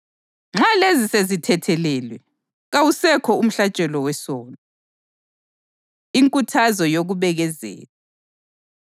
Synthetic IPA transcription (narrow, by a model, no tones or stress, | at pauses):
ŋ͡ǁalezisezitʰɛtʰɛlɛlwɛ | ɣawusɛkʰɔum̩ɬat͡ʃʼɛlɔwɛsɔːnɔ | iŋkʼutʰazɔjoɣuβɛɣɛzḛːla